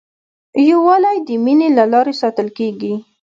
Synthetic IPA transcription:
jawɑlajd̪əminelalɑɾesɑt̪əlkeɡi

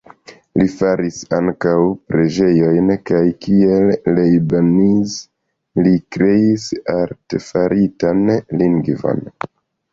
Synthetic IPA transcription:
lifaɾisaŋkawpɾe̞d͡ʒe̞jo̞jnkajkie̞lːejbaniz | likɾe̞isaɾtefaɾʔitanliŋɡvo̰n

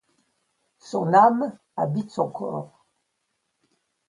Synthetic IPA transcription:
sɔ̃nam | abit̪sɔ̃kʰɔ̰ːʁ

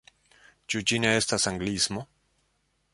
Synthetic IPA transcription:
t͡ʃud͡ʒine̞estasaŋɡlizmo̞

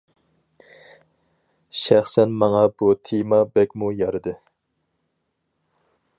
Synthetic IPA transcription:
ʃæχsɛnmɑŋɑbut̪ʰemɑbɛkʲmujɑɾɨd̪ɨ

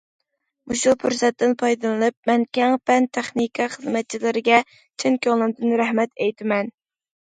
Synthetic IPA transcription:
muʃupʰuɾsɛt̪ːɨnpʰɑjd̪ɨlɨnɨp̚mɛnkʲɛŋpɛnt̪ʰɛχnikʰɑχəzmɛt̪̚t͡ʃʰilɪɾɪɡʲɛ | t͡ʃʰɪŋkʲølˠɨnd̪ɨnɾɛhmɛt̪ɛjt̪ʰɪmɛn

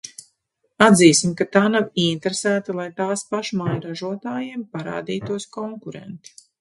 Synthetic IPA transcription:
ad̪ziːsimkat̪aːnawint̪ɾesæːt̪alˠajt̪aːspaʃmajɾaʒuɔt̪aːjeːmpaɾa̰ːd̪iːt̪uɔskɔŋkuɾḛnt̪u̥

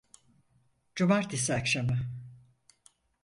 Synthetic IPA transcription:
d͡ʒumaɾt̪ʰisiakʃamɯ

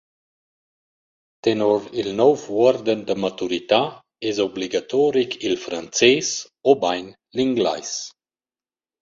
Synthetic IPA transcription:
t̪enɔɾilnɔvwɔɾd̪ənd̪əmat̪uɾit̪a | ɛzɔbliɡat̪ɔɾikʰilfɾant͡sɛs | obajn | liŋɡla̰js

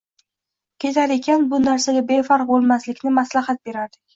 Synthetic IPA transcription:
kʲʰe̞t̪ʰaɾe̞kʲanbʊnaɾsaɡʲabe̞faɾq̚bolˠmaslɪkʲnɪmaslaχat̪̚be̞ɾaɾd̪ɪkʲ

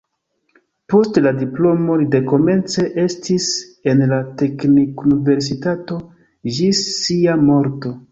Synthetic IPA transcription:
po̞stladiplo̞mo̞lide̞ko̞me̞nt͡se̞ʔe̞stise̞nlate̞knikunive̞ɾs̬itato̞ | d͡ʒisːiamo̞ɾto̞

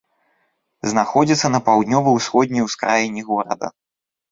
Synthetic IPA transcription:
znaxɔd͡zʲit̪sːɐnɐpawd̪nʲɔvɐjwsxɔd̪̚ʲnʲɐjwskɾajinʲːiɣɔɾɐ̰d̪ɐ̰

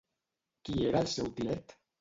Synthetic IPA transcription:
kieɾaelsɛwt̪ilɛt̪

